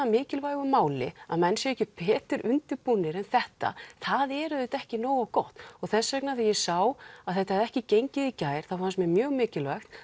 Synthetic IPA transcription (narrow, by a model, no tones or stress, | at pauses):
amɪːcɪlvajɣʏmaːwlɪ̰aðmɛnːsjɛɾɛhcɪpʰɛːt̪ʏɾʏnt̪ɪpunːɪɾɛnθɛht̪a̰θaðɛɾʏðɪt̪ɛhcɪnoːwakɔht̪ɔɣθɛsːɛknaθajɛsaːwaðθɛht̪ahɛðɛhcɪcejɲcɪðicaːjɾ̥θafanst̪mjɛmjœːɣmɪːcɪlvɛxt̪